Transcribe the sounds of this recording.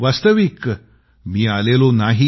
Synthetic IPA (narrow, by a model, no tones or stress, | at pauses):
ʋast̪əʋik | miːalelonaɦi